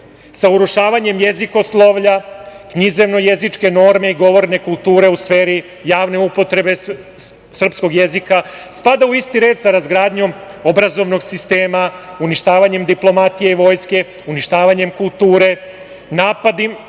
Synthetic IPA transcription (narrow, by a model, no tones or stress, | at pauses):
sauɾuʃaːʋaɲe̞mjezikoslˠoʋʎakɲize̞ʋno̞je̞zit͡ʃke̞no̞ɾme̞iɡo̞ʋo̞ɾne̞kulˠt̪uːɾe̞usfe̞ːɾi | jaːʋne̞upo̞t̪ɾe̞be̞ | sr̩psko̞ɡje̞zikaspad̪auist̪iɾe̞ːd̪saɾazɡɾaːd̪ɲo̞mo̞bɾazo̞ʋno̞ɡsist̪e̞ːmauniʃt̪aːʋaɲe̞md̪iplo̞mat̪ijeiʋo̞ːjske̞ | uniʃt̪aːʋaɲe̞mkulˠt̪uːɾe̞ | naːpad̪im